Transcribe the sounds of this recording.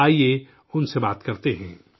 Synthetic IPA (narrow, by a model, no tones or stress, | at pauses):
aːie | ʊnsebaːt̪kɐɾt̪eɦɛ̃ː